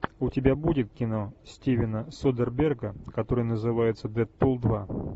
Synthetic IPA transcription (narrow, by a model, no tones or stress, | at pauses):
ʊtʲɪbʲabudʲɪt̪̚kʲɪnosʲtʲevʲɪnəsod̪ərbʲerɡəkɐt̪o̞ɾɨjnəzɨvajɪt̪səd̪ɛt̪̚polˠd̪va